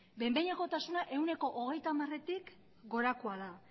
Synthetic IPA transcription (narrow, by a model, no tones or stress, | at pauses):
be̞mbejɲako̞t̪asunaʔe̞wne̞ko̞ʔoɣ̞e̞jt̪amare̞t̪ik | ɡo̞ɾakoaða